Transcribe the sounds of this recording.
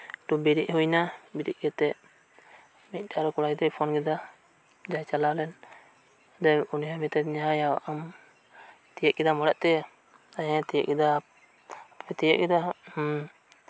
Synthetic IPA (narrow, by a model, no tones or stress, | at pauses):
ʈubiɾiʔhujnabiɾḭʔɡɛt̪ɛʔ | mic̚ˀdaɾɔkɔɽajd̪ɛpʰɔnɡɛd̪a | d͡ʒajt͡ʃalalɛn | d̪ɛuniɦamit̪ɛɲaɦajawaʔam | t̪ijɛʔkɛd̪amɔɽɛʔt̪ɛja | ajãt̪ijɛʔkɛd̪a | pɛt̪ɛjɛʔkɛd̪a